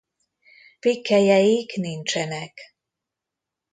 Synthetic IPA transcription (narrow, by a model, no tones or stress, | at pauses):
pikʰːæjæiknint͡ʃɛnɛk